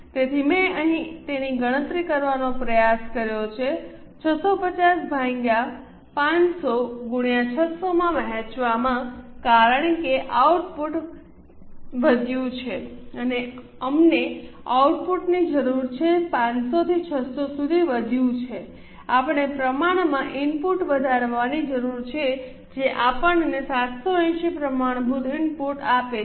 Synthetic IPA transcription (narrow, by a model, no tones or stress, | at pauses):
t̪et̪ʰimẽəɦĩt̪eniɡəɽ̃ə̃t̪ɾikəɾʋanopɾəjaskəɾjot͡ʃʰe | t͡ʃʰəsopət͡ʃasbʱãŋɡa | pãnsoɡuɽijãt͡ʃʰəsomãməɦẽt͡ʃʋamãkaɾəɳkeʔauʈpuʈ | ʋəd̪ʱjũt͡ʃʰeəne | əmneauʈpuʈnid͡ʒəɾuɾt͡ʃʰepãnsot̪ʰit͡ʃʰəsosud̪ʱiʋəd̪ʱjũt͡ʃʰe | apɳ̃epɾəmaɳ̃mãʔɪnpuʈʋəd̪ʱaɾʋanid͡ʒəɾuɾt͡ʃʰe | d͡ʒeʔapəɳənesat̪soɛ̃ʃipɾəmaɽ̃bʱud̪ʱɪnpuʈape